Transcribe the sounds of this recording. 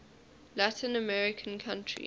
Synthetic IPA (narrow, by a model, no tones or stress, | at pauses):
latɪ̃nəmɛɹɪkʰə̃nkʰãntʰɹḭ